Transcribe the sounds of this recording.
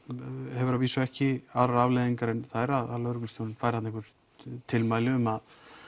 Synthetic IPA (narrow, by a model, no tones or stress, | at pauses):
hɛvʏɾaðviːsʏɛhcɪaɾaɾavlejðiŋkaɾɛnθaɾaðalœɾknʏnsʰjownɪnfajɾ̥hat̪nhkvʏɾ̥ | t̪ʰɪlmajlɪʏmað